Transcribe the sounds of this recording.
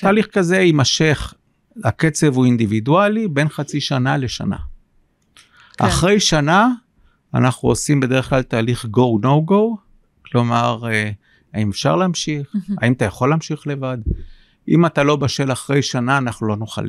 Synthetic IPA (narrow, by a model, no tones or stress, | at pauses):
t̪aːliχkaze̞imaʃe̞χ | ake̞t͡se̞vuind̪ividualibe̞nχat͡siʃanale̞ʃa̰na̰ | ʔa̰χʁe̞jʃana̰ː | naχnuosimbe̞d̪e̞eχklalt̪aːliχɡo̞wno̞wɡow | klo̞maʁ | aimefʃa̰ʁlaːmʃiχa̰imat̪ajaχo̞lːaːmʃiχle̞vad̪ | ʔimat̪alo̞baʃe̞laχʁe̞jʃanaːnaχnulo̞noχa̰li